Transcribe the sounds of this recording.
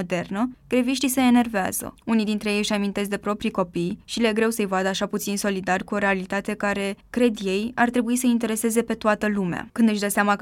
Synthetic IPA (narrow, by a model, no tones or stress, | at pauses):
od̪e̞rnəɡ̥ɾe̞viʃt̪ise̞ːne̞rvea̰z̥ə̰unid̪int̪ɾejejɨʃamint̪e̞s̬d̪e̞pɾo̞pɾiko̞pijʃileɡɾe̞wsəɨjvad̪əaʃaput̪sinso̞lid̪arʲkuo̞ɾe̞alit̪at̪e̞kaɾe̞kɾe̞d̪je̞jart̪ɾe̞buisəint̪e̞ɾe̞se̞ze̞pe̞t̪oat̪əlumea̰kɨnd̪ɨʃd̪əseama